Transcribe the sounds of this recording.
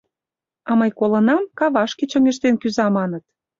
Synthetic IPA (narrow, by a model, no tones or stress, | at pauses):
ɑmɤjkolə̆nɑmkɑβɑʃket͡ɕə̆ŋeʃt̪enkyzɑmɑnət̪